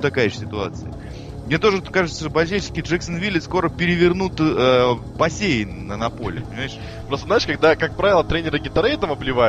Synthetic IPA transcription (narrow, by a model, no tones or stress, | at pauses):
t̪ɐkajəʂsʲɪt̪ʊa̰t̪sɨjə | mnʲe̞t̪o̞ʐɨt̪kaʐɨt̪səʂbɐlʲt͡ɕejt͡ɕɪ̥skʲɪʐɛksənvʲilʲɪsko̞ɾəpʲɪɾʲɪvʲɪrnut̪ə | bɐsʲejɪnnənɐpo̞lʲɪ̰pənʲɪmajɪʂ | pɾost̪əznaɪʂkɐɡd̪akak̚pɾavɪlˠət̪ɾʲenʲɪɾɨɡʲɪt̪ɐɾəjt̪amɐblʲɪva